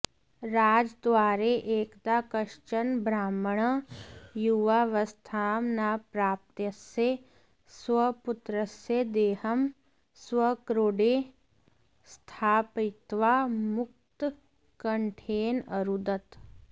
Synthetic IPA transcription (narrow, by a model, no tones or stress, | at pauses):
ɾaːd͡ʒd̪ʋaːɾeʔeːkd̪aːkəʃt͡ʃənbɾaːmɳ̃ | juʋaːʋɐst̪ʰaːmnaːpɾaːp̚t̪jəse | sʋɐpʊt̪ɾəsed̪eːhəm | swəkɾoːɖeː | st̪ʰaːpɪt̪ʋamʊk̚t̪ | kɐɳʈʰeːnɐɾud̪ət̪